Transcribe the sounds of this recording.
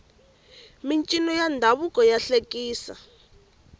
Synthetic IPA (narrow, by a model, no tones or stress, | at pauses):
mint͡ʃʼinɔjandʱaβukʼɔjaɬekʼiːsa̰